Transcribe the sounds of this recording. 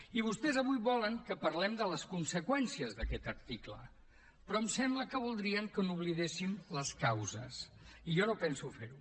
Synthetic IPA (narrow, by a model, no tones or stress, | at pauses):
iβ̞ust̪ɛzəβujβɔləŋkəpəɾlɛmd̪ələskunsəkwɛnsiəzðəkɛt̪əɾt̪iklə̰ | pɾɔəmsɛmbləkəβ̞ulˠd̪ɾiəŋkənuβliðesimləskawzə̰siʒɔnopɛnsufeɾu